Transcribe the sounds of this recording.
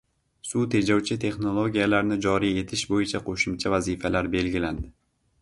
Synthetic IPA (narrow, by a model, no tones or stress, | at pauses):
sʊt̪ʰe̞d͡ʒɒwt͡ʃʰɪt̪ʰe̞χno̞lˠoɡʲijalaɾnɪd͡ʒɒɾije̞t̪ʰɪʃbojɪt͡ʃʰaqʰoʃʊmt͡ʃʰavazifalaɾbe̞lɡʲɪland̪ɪ